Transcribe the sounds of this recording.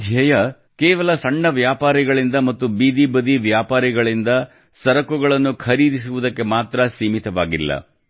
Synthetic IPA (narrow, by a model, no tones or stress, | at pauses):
d̪ʱjɐjɐ | keːʋɐlɐsɐɳːɐʋjaːpaːɾiɡɐɭind̪ɐmɐt̪ːubiːd̪ibɐd̪iʋjaːpaːɾiɡɐɭind̪ɐ | sɐɾɐkuɡɐɭɐnːukʰɐɾiːd̪is̬uʋud̪ɐkːe̞maːt̪ɾɐsiːmit̪ɐʋaːɡilːɐ̰